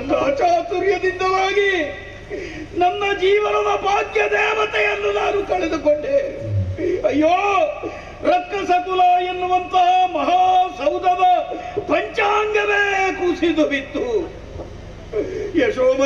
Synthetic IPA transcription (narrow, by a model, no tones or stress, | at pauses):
ɐnːɐɐt͡ʃaːt̪uɾjɐd̪ind̪ɐlaːɡi | nɐnːɐd͡ʒiːʋɐnɐd̪ɐbaːɡjɐd̪ɛːʋɐt̪ɛjɐnːunaːnukɐɭɛd̪ukoɳɖeː | ɐjːoː | ɾɐkːɐsɐkulɐenːuʋɐnt̪ɐɦɐmɐɦaːsɐwd̪ʱɐʋɐpɐɲt͡ʃaːŋɡɐɾeːkusid̪ubit̪ːu | jeʂoːmɐ